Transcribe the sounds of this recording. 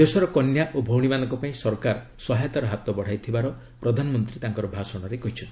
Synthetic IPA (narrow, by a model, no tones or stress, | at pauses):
d̪esɔɾɔkɔnjaʔobʱɔwɽ̃imanɔ̃ŋkɔpaĩsɔɾkaɾ | sɔɦajt̪aɾɔɦat̪ɔbɔɽ̤ajt̪ʰibaɾɔ | pɾɔd̪ʱanɔmɔnt̪ɾit̪aŋkɔɾɔbʱasɔɽ̃ɔɾekɔɦit͡ʃʰɔnt̪ii